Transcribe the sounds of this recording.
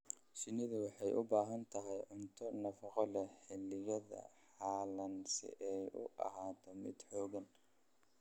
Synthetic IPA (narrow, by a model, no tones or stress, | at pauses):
sɪnɪðʊwɑħɑjʔʊbaːɦɐnt̪ʰɐɦɛjʕʊnt̪ʰɔnɐfɑqɔlɛħɛlɪjɐðɐ̰ħɑːlɐnsɪ̰ʔɛjʊ̰ʔɐ̰ɦaːt̪ʰɔmɪ̰d̪ħɔːɣɐn